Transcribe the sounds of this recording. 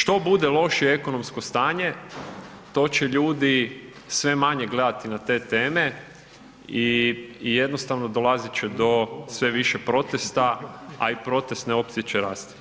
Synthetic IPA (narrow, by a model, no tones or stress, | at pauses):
ʃt̪o̞bud̪elˠo̞ʃieeko̞no̞msko̞st̪aːɲe̞ | t̪o̞ːt͡ɕeʎuːd̪i | sʋe̞maɲeɡle̞d̪at̪inat̪e̞ːt̪e̞ːme̞ | ije̞d̪nost̪aʋno̞d̪o̞lazit͡ɕed̪o̞sʋe̞ʋiʃepɾo̞t̪est̪aa̰ipɾo̞t̪est̪neo̞pt̪iet͡ɕeɾaːst̪